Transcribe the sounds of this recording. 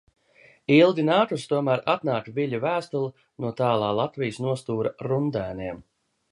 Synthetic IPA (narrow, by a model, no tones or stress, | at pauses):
ilˠɡ̪ʲinaːt̪ust̪uɔmæːɾat̪naːk̪vʲiʎʲuvæːst̪ulˠu | nuɔt̪aːlˠɑːlˠat̪vijəsnuɔst̪uːɾaɾund̪æːniɛm